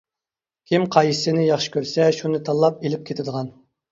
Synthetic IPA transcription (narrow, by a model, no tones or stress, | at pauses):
kʲʰimqʰɑjsɪnɪjɑχʃɪ̥kʲøɾsɛʃunɨt̪ʰɑlˠːɑp̚elɪp̚kʲʰet̪ʰɪd̪əʁɑn